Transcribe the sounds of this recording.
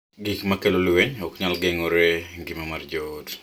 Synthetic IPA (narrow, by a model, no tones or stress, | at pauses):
ɡikmakelolweɲɔkɲalɡeŋɔɾeɡimamard͡ʒot